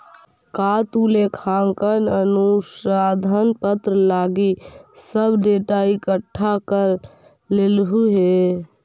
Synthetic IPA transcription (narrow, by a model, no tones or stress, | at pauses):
kaːt̪uːlekʰaːŋkənənusaːd̪ʱənpət̪ɾəlaːɡisəbʱɖeːʈaikəʈʰːakəɾ | leːlɦuɦe